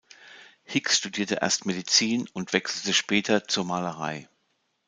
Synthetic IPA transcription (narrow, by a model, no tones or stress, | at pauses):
hɪksʃtudiːɐtəʔḛːɐstmedit͡siːnʊntv̥ɛksl̩təʃpɛːtʰɐt͡suːɐmaːləʁa̰ɪ